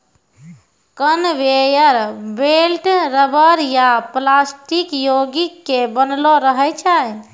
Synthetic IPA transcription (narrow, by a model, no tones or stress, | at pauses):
kənʋejəɾbelʈɾəbəɾjaplasʈikjoɡikːebənloɾəɦɛt͡ʃʰa